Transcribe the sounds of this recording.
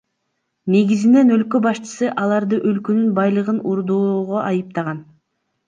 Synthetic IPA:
ne̞ɡizine̞nø̞lkø̞bɑʃt͡ʃɯ̥sɯʔɑlˠɑɾd̪ɯʔø̞lkønynbɑjlˠɯʁɯnuɾd̪oʁo̞ʔɑjɯp̚t̪ɑʁɑn

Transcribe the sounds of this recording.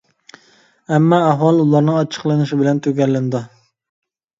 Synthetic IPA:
ɛmːɑɛɦwɑlˠulˠɑɾnɨŋɑt͡ʃʰə̥qlˠɨnɨʃibɪlɛnt̪ʰøɡʲɛlːɪnɪd̪u

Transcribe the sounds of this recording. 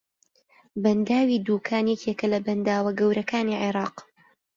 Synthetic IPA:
bɐnd̪aːwiːd̪uːkʰaːnjɛcekɐlɐbɐnd̪aːwɐɡɐwɾʔɐkaːniʕiɾɑːq

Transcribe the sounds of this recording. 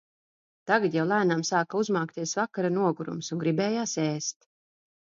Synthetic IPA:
t̪aɡat̪jawlˠajnamsaːkauzmaːkt̪iɛsvakaɾanuɔɡuɾṵmsuŋɡɾibɛːjaːseːst̪

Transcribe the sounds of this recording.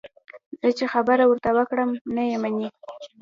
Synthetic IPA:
z̥ət͡ʃexabəɾawəɾt̪awəkɽəmnajemani

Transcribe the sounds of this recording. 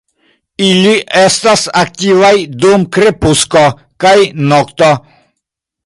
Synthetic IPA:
iliʔest̪asak̚t̪ivajd̪umkɾepusko | kajnɔkt̪ɔ

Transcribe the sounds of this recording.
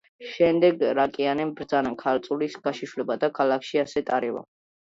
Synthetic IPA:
ʃɛmd̪ɛɡɾakʼianɛmbɾd̪zanakʰaɾt̪sʼulisɡaʃiʃlɛbad̪akʰalˠakʰʃiasɛt̪ʼaɾɛva̰

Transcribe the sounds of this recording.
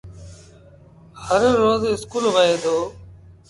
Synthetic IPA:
həɾːoːzɪskuːlʋəeːd̪oː

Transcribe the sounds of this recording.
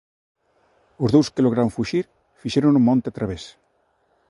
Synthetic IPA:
ʊzðowskeloɣ̞ɾaoŋfuʃiɾ | fiʃeɾonumɔ̃nt̪eat̪ɾaβes

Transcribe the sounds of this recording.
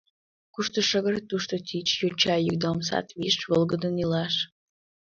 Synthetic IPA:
kuʃt̪oʃəɣəɾt̪ːuʃt̪ot̪it͡ɕjot͡ɕɑjəkd̪oms̬ɑ̰t̪βiʃβolɡəd̪ənilɑʃ

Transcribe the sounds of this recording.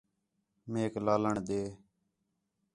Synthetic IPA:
meːklaːləɳɗ̪eː

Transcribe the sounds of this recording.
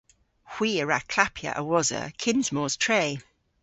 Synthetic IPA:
hw̥iːəɹakʰl̥apʰjə̰ʔəwɔzə̰kʰɪ̃nzmɔːz̥tʰɹ̥eɪ

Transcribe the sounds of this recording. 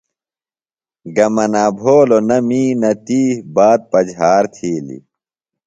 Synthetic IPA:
ɡɐmɐnaːbʱoːlonɐmiːnɐt̪iːbaːt̪̚pɐd͡ʑɦaːɾt̪ʰiːlḭ

